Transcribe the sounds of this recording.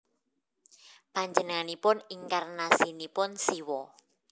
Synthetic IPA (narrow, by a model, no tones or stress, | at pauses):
paɲd͡ʒənŋanipʊniŋkarnasinipʊnsiwɔ